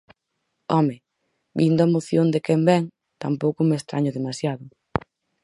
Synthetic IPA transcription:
ɔme | bind̪ʊaemoθjond̪ekɛmbɛŋ | t̪ampowkʊmest̪ɾaɲʊðemasjaðʊ

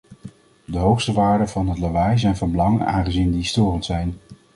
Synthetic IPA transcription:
dəɦowχstəʋaːɹdəvɑnɦətlaʋaːjzɛjnvɑnbəlɑŋəna̰ːŋχəzindistoːrəntsɛjn

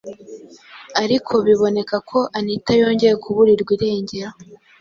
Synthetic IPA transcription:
aɾikʰo̞βiβo̞ne̞kakʰo̞ʔanitajo̞ːɲɟe̞jekʰuβuɾiɾɡwiːɾe̞ːɲɟe̞ɾa

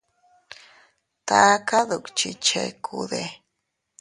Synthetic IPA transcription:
t̪akaðukt͡ʃit͡ʃḛkʰuðe

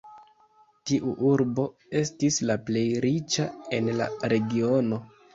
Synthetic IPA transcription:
tiʔuʔuɾbo̞ | e̞stislaple̞jɾit͡ʃae̞nla̰ɾe̞ɡio̞no̞

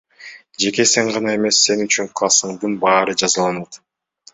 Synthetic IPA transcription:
d͡ʒe̞ke̞seŋʁɑnɑe̞me̞sːe̞nyt͡ʃyŋklˠɑsɯɴd̪ɯnbɑːɾɯd͡ʒɑzɯlˠɑnt̪

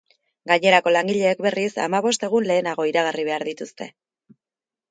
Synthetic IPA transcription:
ɡaɲe̞ɾako̞laŋɡiʎe̞ːkbe̞risa̰maβo̞st̪e̞ɣ̞unle̞ːnaɣ̞o̞iɾaɣ̞ariβ̞e̞aɾðit̪ust̪e̞̰

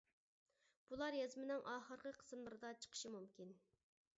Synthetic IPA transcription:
b̥ulˠɑɾjɑzmɪnɪŋʔɑːχəɾqʰəqʰə̥smlˠɨɾɨd̪ɑt͡ʃʰə̥qʰə̥ʃimumkʲin

